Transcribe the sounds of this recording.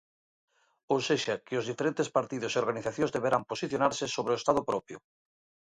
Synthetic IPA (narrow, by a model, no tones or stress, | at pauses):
owseʃakɪozðifeɾẽnt̪espaɾt̪iðʊseoɾɣaniθaθjõzðeβeɾamposiθjonaɾsɪsoβ̞ɾeoest̪aðopɾɔpjo